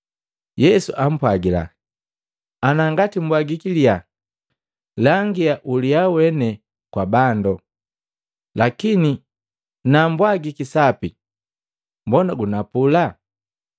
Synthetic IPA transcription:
jɛsṵʔam̩pwaɡila̰ | anaŋɡatim̩bwaɡikilia | laŋɡiaʔuliawɛnɛ | kwabandɔ | lakini | nambwaɡikisapi | mbɔnaɡunapula

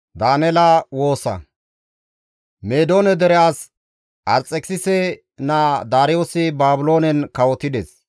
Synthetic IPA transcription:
d̪aːnɛlawo̞ːsɐ̰ | meːd̪o̞ːnɛd̪ɛɾɛjaːs | ʔɐɾt͡sʼɛksɪsɛ | nad̪aːɾɪjoːsɪbaːbʊlo̞ːnɛnkɐwɔt̪ɪd̪ɛs

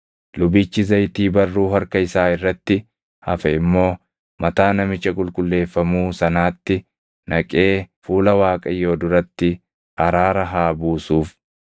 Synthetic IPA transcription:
lʊbiːt͡ʃːɪzɐjt̪iːbɐrːuːhɐɾkɐɪsaːɪrːɐt̪ːɪ | hɐfɛɪmːo̞ː | mɐt̪aːnɐmɪt͡ʃːɐkʼʊlkʼʊlːe̞ːfːɐmuːsɐnaːt̪ːɪ | nɐkʼe̞ːfuːlɐwaːkʼɐjːo̞ːd̪ʊɾɐt̪ːɪ | ʔɐɾaːɾɐɦaːbuːsuːf

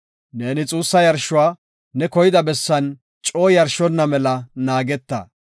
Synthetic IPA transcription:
ne̞ːnɪt͡sʼuːsːɐjɐɾʃʊwaː | ɛkɔjɪd̪ɐbɛsːɐn | t͡ʃʼoːjɐɾʃɔnːɐmɛlɐnaːɡɛt̪ːɐ̰

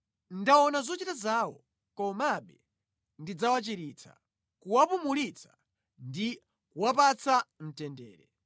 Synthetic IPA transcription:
ndawɔnazɔt͡ʃitazaːwɔ̰ | kɔmaɓɛ | ndid͡zawat͡ʃiɾit͡sʰa̰ | kuwapumulit͡sʰḁ | ndi | kuwapat͡sam̩tɛndɛːɾɛ

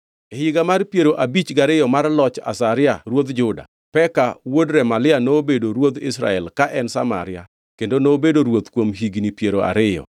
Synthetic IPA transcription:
hɪɡamarpjeɾoʔabit͡ʃɡaɾɪjɔmarlɔt͡ʃa̰saɾɪaɾwod̪d͡ʒʊda̰ | pɛkawodɾɛmalɪanobedoɾwot̪ɪsɾa̰ɛlkaʔɛnsa̰ma̰ɾɪa̰ | kendonobedoɾwot̪kwomɦiɡnipjeɾoʔa̰ɾɪjɔ̰

